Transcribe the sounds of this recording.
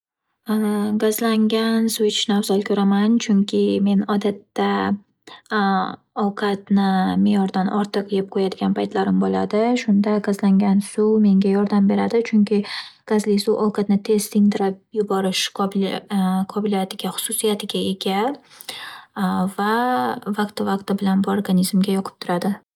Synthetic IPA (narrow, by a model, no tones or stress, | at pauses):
ɡazlaŋɡʲansuwɪt͡ʃnawzalkʰʲɵɾamant͡ʃʰʊŋkʲʰɪme̞nɒd̪at̪ːa | ɒwqʰɑt̪nɪmejɒɾd̪anʔɒɾt̪ʰɨqjɪp̚qʰojad̪ɪɡʲanpʰajt̪ʰlaɾɪmbola̰d̪ɪʃʊnd̪aɡazlaŋɡʲansume̞ŋɡʲajɒɾd̪ambe̞ɾad̪ɪt͡ʃʰʊŋkʲʰɪɡ̥azlɪsuʔɒwqʰɑt̪̚nɪt̪ʰe̞st̪ɪŋd̪ɪɾɪp̚jʊbɒɾɪʃqb | qʰɒbɪlijat̪ʰɪɡʲaχʊ̥sʊsijat̪ʰɪɡʲaeɡʲal | vavaq̚t̪ɪvaqt̪ɪbɪlanbʊoɾɡanizmɡʲajɒqʰɨ̥p̚t̪ʰʊɾad̪ɪ